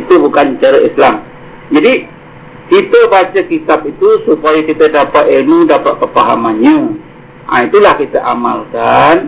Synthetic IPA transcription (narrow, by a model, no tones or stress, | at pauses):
it̪ubukant͡ʃaɾaislam | d͡ʒadi | kit̪əbat͡ʃakit̪ap̚it̪usupajakit̪adapat̪̚enudapat̪̚pəpaɦa̰manɲə | a̰it̪ulahkit̪aʔamalkan